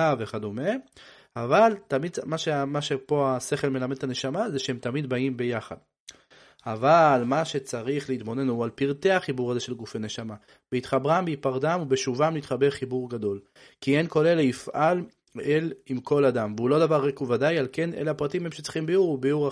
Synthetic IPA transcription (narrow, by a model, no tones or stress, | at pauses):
aveχad̪ume | avalt̪amid̚maʃemaʃepo̞ase̞χe̞lme̞lamed̪̚tane̞ʃamazeʃehemt̪amid̪baimbe̞jaχad̪ | avalmaʃe̞t͡saʁiχleit̪mo̞ne̞nualpiʁt̪e̞aχibuʁazeʃe̞lɡufene̞ʃama | b̥eit̪χabʁambeipaʁdamubeʃuvamlit̪χabeʁχibuʁɡado̞l | kienko̞le̞leifʔal | elimko̞ladamveulo̞davaʁekuvadajalkenelaapʁat̪imhemʃet͡si̥χimbiuʁubijuʁa